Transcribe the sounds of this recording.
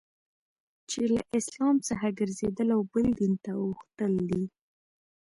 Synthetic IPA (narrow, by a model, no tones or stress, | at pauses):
t͡ʃela̰ʔɪslɑmt͡səxaɡəɾzed̪əlawbəld̪int̪awuxt̪əld̪i